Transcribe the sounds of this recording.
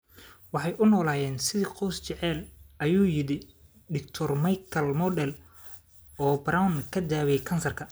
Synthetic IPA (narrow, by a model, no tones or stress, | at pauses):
wɑħɑjʔʊnɔːlaːjɛːnsɪðiqɔwst͡ʃɛʕɛːlʔɐjuːjɪɽɪ | d̪ɪk̚t̪ʰɔrmɐjkʰɐlmɔdɛl | ɔːbrawnkʰɐd̪aːwɛjkʰɐnsɐrkʰɐ